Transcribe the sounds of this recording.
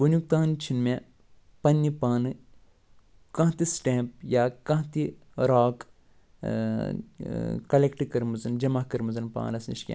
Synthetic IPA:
ʋunjuk̚t̪aːnt͡ʃʰinmẽ | pɐnːipaːnɨ | kɐ̃ɦt̪isʈẽːmp̚jakɐ̃ɦt̪i | ɾaːk | kɐlekʈikɐɾmɨzɐnd͡ʒɐmahkɐɾmɨzɐnpa̰ːnɐsnḭʃkʲḛ̃

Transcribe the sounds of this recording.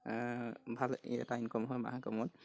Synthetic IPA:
bʱalḭɛ̰tajnkɔmɦɔjma̰ɦakɔ̰mɔn

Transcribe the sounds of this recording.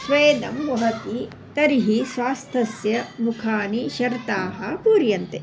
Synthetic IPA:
sʋeːd̪ɐmʋɐɦɐt̪i | t̪ɐɾiɦisʋaːst̪ʰɐsjɐmukʰaːniʃɐɾt̪aːɦɐpuːɾjɐnt̪e

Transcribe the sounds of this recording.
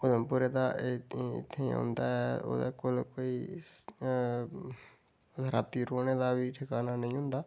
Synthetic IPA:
od̪əːpʊɾeːd̪aːɪ̰t̪ʰːeːɦõ̰nd̪a̰ːɛo̰ːd̪ḛːkolkoːiː | ɾaːt̪iːɾoːneːd̪aːʋiːʈʰɪkaːnaːnəĩːɦʊnd̪aː

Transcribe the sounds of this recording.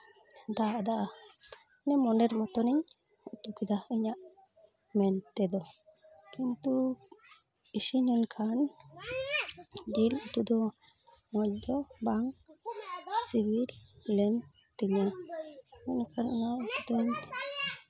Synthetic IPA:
d̪aʔd̪aʔa | nɛmɔnɖɛɾmɔt̪ɔniɲ | ut̪ukid̪aiɲaʔ | mɛnt̪ɛd̪ɔ | kint̪u | isinɔnkʰan | ɡilut̪ud̪ɔ | ŋɔc̚d̪ɔbaŋ | sibillɛm | t̪iɲa | ɔnkʰanunad̪uɲ

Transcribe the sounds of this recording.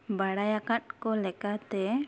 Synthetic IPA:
baɽajakat̪̚kɔlɛkat̪ɛ

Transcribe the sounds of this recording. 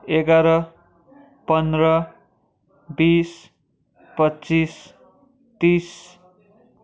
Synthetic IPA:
eɡaɾʌ | pʌnd̪rʌ | bis | pʌtːt͡sis | t̪is

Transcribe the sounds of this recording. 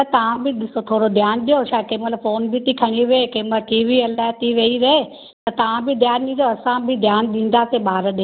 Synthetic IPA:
ɐt̪ɐʋ̤ãbɪɗɪsot̪ʰoːɽod̪ʱjaːnɗijoʃaːkemɐt̪ləbfoːnbɪt̪ikʰɐɽ̃iʋeekẽːməʈiːʋiɐlat̪iʋeiɾɐɦe | t̪ɐt̪ɐʋãbɪd̪ʱjaːnɗĩːd̪joɐsãbɪd̪ʱjaːnɗĩːn̆d̪aːseɓaːɾɗi

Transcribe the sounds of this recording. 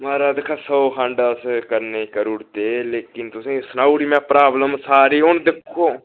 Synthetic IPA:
maːɾaːd̪ɪkʰːaːsoːkʰãɳɖaskəɾneːkəɾʊɽt̪eːleːkɪnt̪ʊsĩːsnaːuɽiːmɛ̃ːpɾaːbləmsaːɾiːɦʊɳd̪ɪkʰːoː

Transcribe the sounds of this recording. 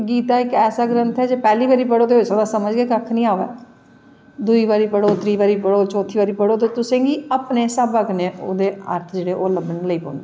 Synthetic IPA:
ɡiːt̪aːɪkɛːsaːɡɾənt̪ʰɛːd͡ʒeːpɛːliːbaːɾiːpəɽoːt̪eːɦosəːd̪aːsəməd͡ʒɡeːkəkʰːnĩːaːʋɛ̰ː | d̪uiːʋaːɾiːpəɽoːt̪ɾiːʋaːɾiːpəɽoːt͡ʃɔ̃ːt̪ʰiːbaːɾiːpəɽoːt̪eːt̪ʊsẽːɡiːapneːsəbəknẽːʔoːd̪eːa̰ːɾt̪ʰd͡ʒeːɽeːʔoːləbəɳləiːpo̰ːnd̪e

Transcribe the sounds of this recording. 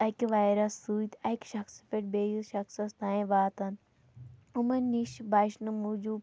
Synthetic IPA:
ɐkʋaːjɾɐsːuit̪ɐkʃɐxsi̥feʈ̚bejiʃɐxsɐst̪ãːẽʋaːt̪ɐn | umɐnniʃbaːʃnɨmud͡ʒuː

